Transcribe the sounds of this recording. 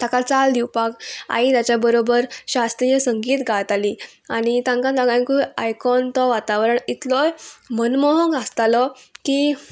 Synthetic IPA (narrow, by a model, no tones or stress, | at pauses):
t̪akat͡sald̪iwpaka̰it̪jat͡ɕjabəɾobəɾɕast̪ɾijesəŋɡiːt̪ɡʱaɭt̪aliː | aɽ̃it̪ãŋkãt̪aɡãnkuajkɔnt̪ɔʋat̪aʋɾəɳit̪lɔjmənmɔɦɔɡʱast̪alɔki